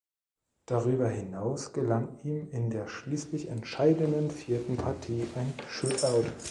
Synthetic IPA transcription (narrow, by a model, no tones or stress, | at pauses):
d̥aʁyːbɐɦɪnaʊsɡ̥əlaŋiːmɪndeːɐʃliːslɪçɛntʃaɪdənənfiːɐtn̩pʰaɐtʰiːʔaɪnʃʊtaʊt